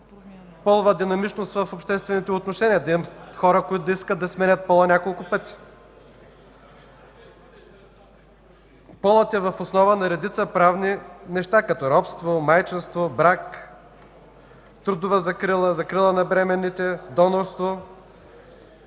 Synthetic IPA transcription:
pɔlˠvəd̪inɐmit͡ʃnost̪vɐfopʃt̪ɛst̪vɛnit̪ɛʊt̪noʃɛniɐd̪ɐimsxɔɾəkoit̪ʊd̪ɐiskət̪ːɐsmɛnʲət̪̚pɔlˠɐnʲakolˠkʊpət̪i̥ | pɔlˠət̪ɛvɐfosnɔvənɐɾɛd̪it̪səpɾavninɛʃt̪akɐt̪ɔɾɔpst̪vomajt͡ʃɛnst̪vobɾak | t̪ɾud̪ʊvəzɐkɾilˠəzɐkɾilˠənɐbɾɛmɛnːit̪ɛd̪ɔnoɾst̪vo

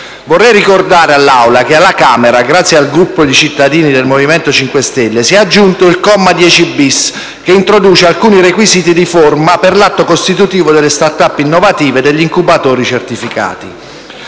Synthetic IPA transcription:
vorːɛjrikord̪aːɾealːawlakealːakaːmeɾaɡɾat̪sːjealɡɾupːod̪it͡ʃit̪ːad̪iːnid̪elmoviment̪ot͡ʃiŋkwest̪elːesiɛad͡ʒːunt̪oilkɔmːad̪jɛt͡ʃibis | keint̪ɾod̪uːt͡ʃealkuːniɾekwiziːt̪id̪iformaperlat̪ːokost̪it̪ut̪iːvod̪elːest̪art̪apːinːovat̪iːved̪eʎːiŋkubat̪oːɾit͡ʃert̪ifika̰ːt̪ḭ

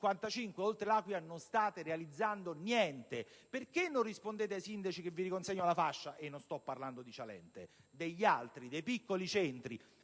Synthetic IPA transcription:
kwant̪at͡ʃiŋkweolt̪ɾelaːkwjanonst̪aːt̪eɾealid̪zːand̪onjɛnt̪eperkenːonrispond̪eːt̪eajsind̪at͡ʃik̟evːiɾikonseɲːoalafaʃːaʔenːonst̪ɔpːarland̪od̪it͡ʃalɛ̰nt̪ed̪eʎːalt̪ɾid̪ejpikːolit͡ʃɛnt̪ɾi

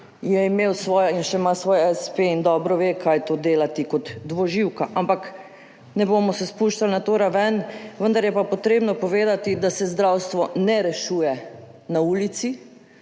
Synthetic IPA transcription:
jɛimeːwsʋɔːjainʃɛmasʋɔːjɛspeind̪ɔːbɾɔʋeːkʰajt̪oːd̪eːlat̪ikɔt̪ːʋɔʒiwkaʔampak | nɛboːmɔsɛspuːʃt͡ʃalnat̪oɾaʋɛnʋənd̪aɾjɛpapɔt̪ɾeːbnɔpɔʋeːd̪at̪id̪asɛzd̪ɾawst̪ʋɔnɛɾɛʃuːjɛ | nauːlit̪si

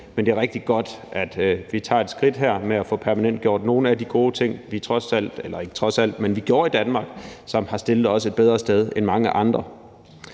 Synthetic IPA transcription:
mend̥e̝æɐʁeɡ̥̚d̥iɡ̥ɒ̽d̥ʔæd̥ʋit͡sʰɑ̰̈ːe̝d̥sɡ̥ʁid̥ɦeɐ̰meæfɔ̽pʰæɐmænen̰d̥̚ɡ̥o̝ɐ̰d̥no̝ːn̩æd̥iɡ̥o̝ːt͡sʰe̝ŋ̰ʋit͡sʰʁɒ̽sæl̰d̥elɐe̝ɡ̥ə̥t͡sʰʁɒ̽sæl̰d̥menʋiɡ̥jo̝ɐid̥ænmɑ̈ːɡ̥sɒ̽mhɑ̈sd̥e̝lð̩ˠɒ̽səe̝d̥beðˠʁɐsd̥eð̞ˠenmɑ̈ŋəʔɑ̈nd̥ʁɐ

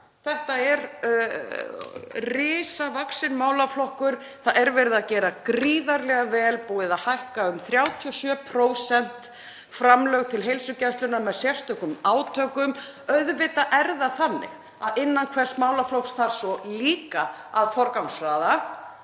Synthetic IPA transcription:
θɛht̪aɛɾ | rɪːsavaksɪnmaːwlaflɔhkʏɾ̥ | θaðɛɾvɛɾɪðacɛːɾakɾiːðaɾlɛɣavɛːlpuːɪðaðhajhkaʏmθɾjaːwt̪ʰiɔsjœːpʰɾoːwsɛn̥t̪ | fɾamlœɣt̪ʰɪlɦejlsʏcɛnst̪lʏnamɛðsjɛr̥st̪œkʏmaːwt̪ʰœːkʏm | œðvɪt̪aʔɛɾðaθanːɪ̰ɣ | aðɪnːankʰvɛr̥st̪maːwlaflowksθaɾ̥sɔliːka | aðfɔɾkawnsɾaːða

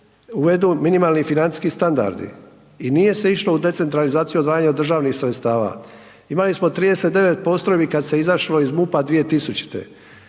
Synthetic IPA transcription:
uʋe̞d̪uminimalˠnifinant̪i̥skist̪and̪a̰ɾd̪ḭ | inije̞se̞iʃlo̞ud̪e̞t̪se̞nt̪ɾalizaːt̪sijuod̪ʋaːjaɲaod̪ːɾr̩ʒaːʋnixsɾe̞t̪st̪aːʋa̰ | imalismot̪ɾiːd̪e̞set̪d̪e̞ʋe̞t̪̚po̞st̪ɾojbikad̪se̞izaʃloizmupad̪ʋije̞t̪isut͡ɕi̥t̪ḛ

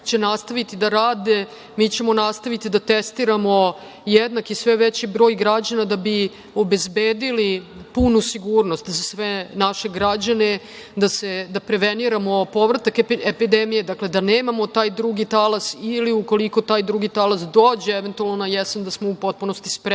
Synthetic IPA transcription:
t͡ɕe̞nast̪aʋit̪id̪aɾaːd̪e̞ | miːt͡ɕemo̞nast̪aʋit̪id̪at̪est̪iɾamo̞ | jed̪nakisʋeʋet͡ɕibɾo̞ːjɡɾad͡ʑanad̪abi | o̞be̞zbeːd̪ilipunusiɡuːɾnost̪zasʋenaʃe̞ɡɾad͡ʑane | d̪ased̪apɾe̞ʋeniɾamo̞po̞ʋɾat̪akepid̪emije̞d̪akle̞d̪aneːmamo̞t̪aːjd̪ɾuɡit̪alasiliuko̞liko̞t̪aːjd̪ɾuɡit̪alasd̪o̞ːd͡ʑeeʋent̪ualnonajesend̪asmoupo̞t̪̚puno̞st̪i̥spɾ

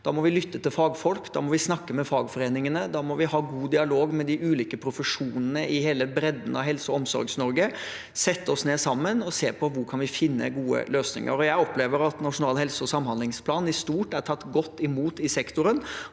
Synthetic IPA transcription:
d̪̥ɑmɔʋɪlʏt̪ːət̪ɪlfɑːɡfɔlkd̪ɑ̰ːmɔʋɪsnɑkːəmɛfɑːɡfɔɾeːnɪŋənəd̪ɑːmɔʋɪhɑːɡuːd̪ɪɑloːɡmɛd̪ɪʔʉːliːkəpʰɾʊfəʂuːnənəɪheːləbɾɛd̪n̩ɑ̰ʋɦɛlsəɔɔmsɔ̰ɾɡsnɔɾɡə | sɛt̪ːəɔsneːsɑmːənɔseːpʰɔʋʊɾkʰɑnʋɪfɪnːə̰ɡuːə̰løːsnɪ̰ŋə̰ɾɔjæɪɔpleːʋəɾɑt̪nɑʂʊnɑːlɦɛlsɔsɑmhɑnd̪lɪŋspʰlɑːnɪst̪uːʈæʈʰɑt̪ːɡɔt̪ːɪmuːt̪ɪsɛkt̪ʊɾən

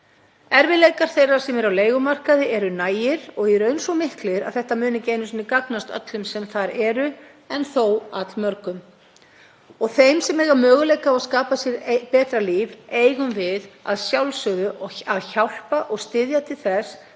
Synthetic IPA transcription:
ɛɾvɪlejkaɾ̥θejrːaɾ̥sɛmɛɾawleːjɣʏmar̥kaðɪʔɛɾʏnaːjɪɾɔɣɛɾœɥnsɔmɪhklɪɾa̰ðθɛht̪amʏːnɪcejnʏsnɪkaknast̪œ̰t̪lʏmsɛmθaɾɛːɾʏ | ɛnθowa̰t̪lmœɾkʏm | ɔɣθejmsɛmɛːɣamœːɣʏlejkaaɣskaːpasjɛɾpɛːt̪ɾaliːveːjɣʏmvɪða̰ðsjawlsʏɣðʏʔɔaðçawl̥paʔɔɣst̪ɪðjat̪ʰɪlθɛs

